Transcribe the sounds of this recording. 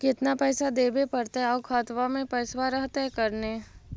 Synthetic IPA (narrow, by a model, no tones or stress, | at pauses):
kɪt̪napɛːsad̪eːbepɐɾt̪eɦɛɔːkʰaːt̪ʋamẽpɛːsʋaɾəɦt̪eɦɛkɐɾneː